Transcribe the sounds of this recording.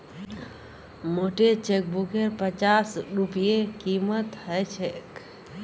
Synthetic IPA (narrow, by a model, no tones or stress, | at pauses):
moʈet͡ʃek̚bukeɾpət͡ʃasɾupijekimət̪ɦəjt͡ʃʰek